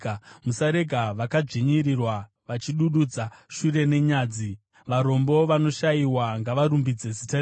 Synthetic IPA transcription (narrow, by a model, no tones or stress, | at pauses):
musaɾe̞ɡʱaʋakad͡ʐiɲirirwa | ʋat͡ʃiɗuɗud͡zaʃure̞ne̞ɲaːd͡zi | ʋaɾo̞mbo̞ʋano̞ʃaiwaŋɡaʋaɾumbid͡ze̞zitar